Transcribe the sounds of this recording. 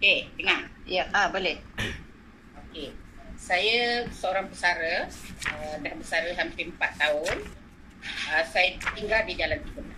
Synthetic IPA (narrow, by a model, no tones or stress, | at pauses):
oket̪əŋaʔjaʔabəlɪh | okesajəsəoɾaŋpəsaɾəədaɦbəsaɾəɦampɪəmpat̪ːaʊn | əsajət̪iŋɡaldidalamt̪iɦunla